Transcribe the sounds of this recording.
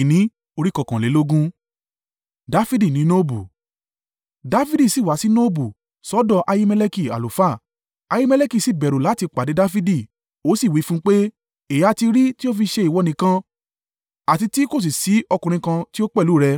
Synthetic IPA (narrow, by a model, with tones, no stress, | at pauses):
nĩ˨˦ | o˧ɾi˦kɔ˧˨kã˨le˨˦lo˦ɡũ˦ | da˦fi˦di˦˨nĩ˨˦nõ˦bu˨ | da˨˦fi˦di˦˨si˦˨wa˨˦si˦nõ˦bu˨ | sɔ˦dɔ˦˧ʔa˧ji˦mɛ˧le˧ki˦˨a̰˨lu˨fa˦˨ | a˧ji˦mɛ˦˧le˦ki˦˨si˦˨bɛ˨ɾo˨la˨˦ti˧k͡pa˨de˨˦da˦fi˦di˦˨ | o˨˦si˦˨wi˨˦fũ˦k͡pe˦ | e˨ja˧ti˧ɾi˦ti˦o˦fi˧ʃe˧i˨wɔ˨˧nĩ˧kã˧ | a˨ti˧ti˦ko˦˨s̬i˨si˨˦ɔ˧kũ˨ɾĩ˧kã˧ti˦o˦k͡pɛ˦˨lu˨˦˨ɾɛ˧